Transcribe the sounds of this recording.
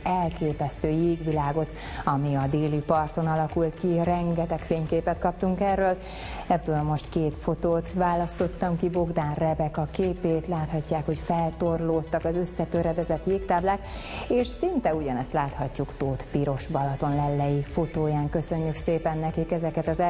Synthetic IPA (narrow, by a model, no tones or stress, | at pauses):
ɛlkeːpɛst̪øːjeːɡʋilaːɡo̞t̪ | ɒmiɒd̪eːlipɒrt̪o̞nɒlɒkult̪kirɛŋɡɛt̪ɛkfeːɲkeːpɛt̪kɒp̚t̪uŋkɛrːøːl | ɛbːøːlmo̞ʃt̪keːt̪fo̞t̪oːt̪ʋaːlɒst̪o̞t̪ːɒmkibo̞ɡd̪aːnrɛbɛkɒkeːpeːt̪laːt̪hɒcːaːkho̞cfɛlt̪orloːt̪ːɒkɒzø̞sːɛt̪øɾɛd̪ɛzɛt̪jeːkt̪aːblaːkeːʃsint̪ɛuɟɒnɛst̪laːt̪hɒcːukt̪oːt̪piɾo̞ʃbɒlɒt̪o̞nlɛlːɛjifo̞t̪oːjaːŋkø̞sø̞ɲːykseːpɛnːɛkikɛzɛkɛt̪ɒzɛ